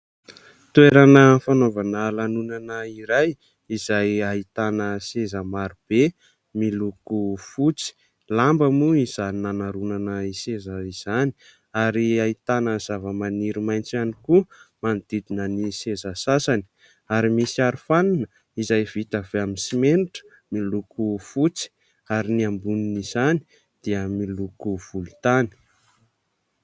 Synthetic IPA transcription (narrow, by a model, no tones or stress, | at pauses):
t̪ueɾanəfanovanalanunanəiɾaj | izajait̪anəsezəmaɾub̥e | milukufut͡si̥ | lambəmuiz̥aninanaɾunanəisezəiz̥ani̥ | aɾiait̪anəz̥avəmaniɾimajnt͡sanikumanid̪̥id̪inənisezəsasani̥ | aɾimisiaɾufaninə | izajvit̪av̥eaminsimeniʈ͡ʂə̥ | milukufut͡si̥ | aɾiniambuninizani̥ | d̪̥iəmilukuv̥ulut̪ani̥